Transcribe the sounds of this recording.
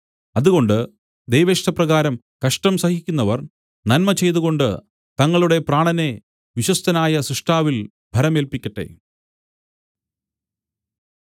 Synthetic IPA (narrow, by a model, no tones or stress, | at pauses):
ɐðuɣo̞ɳɖɨ | d̪ejʋeːʂʈɐprɐɣaːɾɐm | kɐʂʈɐmsɐhikʲːunːɐʋɐr | nɐnmɐt͡ɕe̞jt̪uɣo̞ɳɖɨ | t̪ɐŋːɐɭuɽe̞praːɳɐne̞ | ʋiɕwɐst̪ɐnaːjɐsɾiʂʈʰaːʋil | bʱɐɾɐmeːlpikʲːɐʈːe̞̰